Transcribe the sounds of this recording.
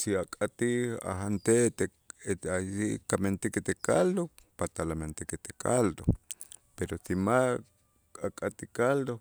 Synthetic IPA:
siakʼat̪ia̰ɦant̪et̪e | ajikament̪ikit̪ekald̪o | pat̪alament̪ikit̪e̥ka̰ld̪o | peɾosima | akʼat̪ikald̪o

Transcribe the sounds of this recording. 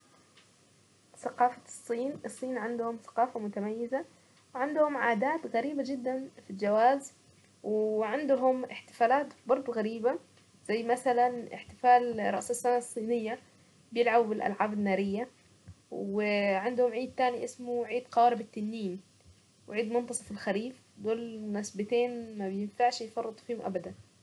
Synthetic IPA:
θaqɑːfasˤːiːnʔɨsˤːiːnʕɪnd̪hʊmθḁqɑːfamʊt̪amajːɪza | wʕand̪hʊmʕaːd̪aːt̪ɣaɾiːbad͡ʒɪd̪ːanfild͡ʒawaːz | wʕɪnd̪ʊɦʊmɪħt̪ɪ̥faːlaːt̪bɑɾˤd̪ˤɣaɾiːba | z̥ajːmaθalanɪ̰ħt̪ɪfaːlɾˤɑ̰ʔsɪsːanasˤːiːnɪjːa | bjɪlʕabbɪlʔa̰lʕaːbɪnːaːɾɪjːa | wɪʕɪnd̪hʊmʕiːd̪̚t̪aːniʔɪsmuʕiːd̪qɑwaːɾɪbɪt̪ːanːiːm | wʕiːd̪mʊnt̪ɑsˤɑfɪlxaɾiːf | d̪oːlnɪsbɪt̪eːnmabjɪnfaʕʃjfɑrˤːɨt̪ˤfiːhʊmʔa̰bad̪an

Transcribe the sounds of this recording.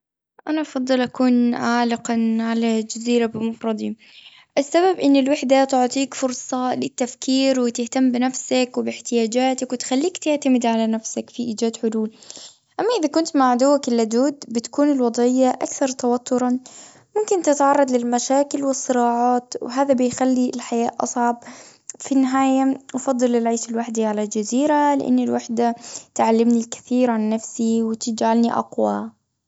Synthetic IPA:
ʔanaʔɑfɑd̪ˤːɨlʔakuːnʕaːlɪqɑʕalad͡ʒaziːɾabɪmɑfɾˤɑd̪ˤi | ʔasːababʔɪnːɪlwɪħd̪at̪ʊʕt̪ˤiːkfʊɾsˤɑlɪt̪ːafkiːɾwɪt̪ɪht̪amːbɪnafsakwɪbɪħt̪ɪjaːd͡ʒaːt̪akwɪt̪xalːiːkt̪ɪʕt̪amɪd̪ʕalanafsakfiʔiːd͡ʒaːd̪ħʊluːl | ʔamːaʔɪðakʊnt̪maʕd̪ʊwːakɪlːad̪uːd̪bɪt̪ḁkuːnɪlwɑd̪ˤɪjːaʔa̰kθɑɾˤt̪awɑt̪ʰːʊɾˤɑ | mʊmkɪnt̪ɪt̪ʕɑrˤːɑd̪ˤlɪlmaʃaːkɪlwɪsˤːɨɾɑːʕɑːt̪wɪɦaːðabɪjxalːilħajaːʔʔɑ̰sˤʕɑb̚ | finːɪɦaːjawfɑd̪ˤːɨlɪlʕiːʃɪlwaħd̪iʕalald͡ʒaziːɾalɪ̰ʔɪ̰nːɪlwaħd̪at̪ʕalːɪmnilkḁθiːɾʕanːafsiwɪt̪ɪd͡ʒʕalniʔɑ̰qwa

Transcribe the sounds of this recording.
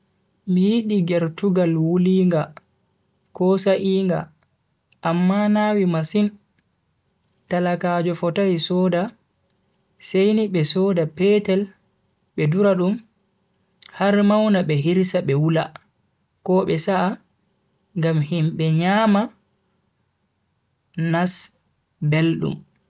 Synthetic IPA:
mijiɗiɡɛɾtuɡalwuliːŋɡa | kɔsaʔiːŋɡa̰ | ʔːmːanawimasin | talakaːd͡ʒɔfɔtajsɔːda | sejniɓɛsɔːdapɛtɛl | ɓɛduɾaɗum | haɾmawnaɓɛɦiɾsaɓɛwula̰ | kɔɓɛsaː | ŋɡamhimɓɛɲaːma | nas | belɗṵm

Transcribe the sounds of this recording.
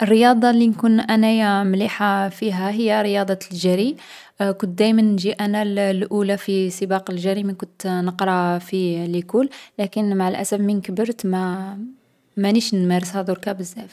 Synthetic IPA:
ʔərːəjɑd̪ˤɑlinkunʔænæjæmliħafiɦæɦəjːæɾəjɑd̪ˤɑlʒæɾi | kʊnt̪̚d̪æjmənːʒiʔænællʔulæfisˤəbɑqəlʒæɾimənkʊnt̪nəqɾˤɑfilikʊlːlækənmaʕəlʔæ̰sæfmənkəbəɾt̪mæ | mæniʃnmæɾəshæd̪ˤuɾkæbəzːæf

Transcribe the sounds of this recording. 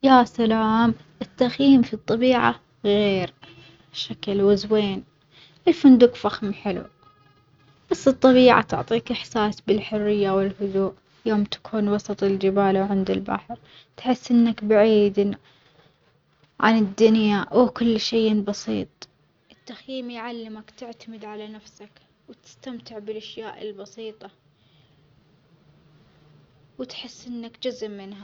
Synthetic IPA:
jaːsalaːm | ʔɪt̪ːaxjiːmfit̪ˤːɑbiːʕa̰ | ɣeːɾ | ʃakɪlwɪzweːn | ʔɪlfʊnd̪ukfaxmħɪlṵ | b̥asːɨt̪ˤːɑbiːʕa̰t̪ʊ̰ʕt̪ˤiːkʔɪħsaːsbɪlħʊrːɪjːawɪlhʊðuːʔ | joːmt̪ḁkʰuːnwɑsˤɑt̪ˤɪld͡ʒɪbaːlawʕɪnd̪ɪlba̰ħɾ | t̪ħɪsːʔɪnːakbaʕiːd̪ | ʕa̰nɪd̪ːʊnjawkʊlːʃeːbɑsiːt̪ˤ | ʔɪt̪ːaxjiːmjʕalːɪmakt̪ɪʕt̪amɪd̪ʕalanafsak | wt̪ɪ̥st̪amt̪ɪʕbɪlʔaʃjaːʔɪ̰lbɑsiːt̪ˤɑ | wɪt̪ħɪsːʔɪnːakd͡ʒʊzmːɪna

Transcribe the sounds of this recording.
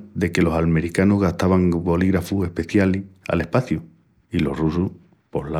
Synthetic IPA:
d̪e̞ke̞lo̞salme̞ɾikanoɦɣaht̪aβaŋbo̞liɣɾafue̞hpe̞θjalia̰le̞hpaθju | ilo̞̰hrusuh | po̞ɦla

